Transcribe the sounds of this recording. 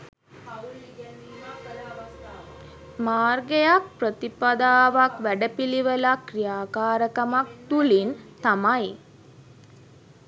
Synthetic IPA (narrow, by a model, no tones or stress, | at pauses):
maːrɡejak̚prət̪ipad̪aːʋakʋæɖəpiliʋəlakrijaːkaːɾəkamak̚t̪ulint̪amaj